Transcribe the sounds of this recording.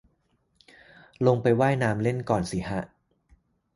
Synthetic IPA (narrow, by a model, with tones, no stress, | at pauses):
lo˧ŋpa˧jwaː˥˩jnaː˧mle˥˩nkɔː˨˩nsiː˩˦ɦa˦˥ʔ